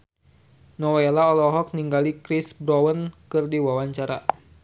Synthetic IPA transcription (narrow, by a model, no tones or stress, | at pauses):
nɔwelaɔlɔɦɔk̚niŋɡalikɾisbɾɔwənkɨrdiwawaɲt͡ʃaɾa